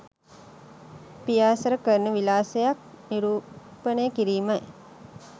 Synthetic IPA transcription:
pijaːsəɾəkəɾnəʋilaːsejak̚ | niɾuː | pənejəkiɾiːmə

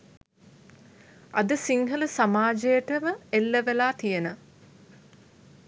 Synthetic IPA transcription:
ʔɐd̪əsiŋɦələsamaːd͡ʒəjəʈəməelːəʋelaːt̪ijənə

